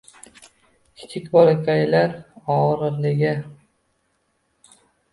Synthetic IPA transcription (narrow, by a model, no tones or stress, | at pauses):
kʲʰɪ̥t͡ʃʰɪkʲbɒlˠakʲʰajlaɾɒɾɨɾlɪɡʲɪ